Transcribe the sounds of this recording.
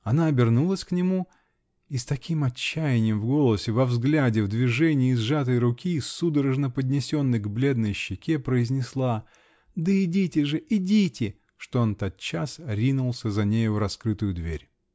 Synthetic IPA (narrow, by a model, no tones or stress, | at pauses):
ɐnaɐbʲɪrnulˠəsʲknʲɪmu | ist̪ɐkʲimɐt͡ɕːæjɪnʲɪjəmvɡo̞lˠəsʲɪvɐvzɡlʲædʲɪvd̪vʲɪʐɛnʲɪjːzʐat̪̬əjɾʊkʲisud̪əɾəʐnəpədʲnʲɪsʲo̞nːɨjɡblʲe̞d̪nəjɕːɪkʲepɾəɪzʲnʲɪslˠa | d̪əɪdʲitʲɪʐɨʔɪdʲitʲɪ | ʂt̪oont̪at̪̚t͡ɕːasɾʲinʊlˠsʲəzɐnʲejʊɾɐskɾɨt̪ʊjʊd̪vʲḛɾʲ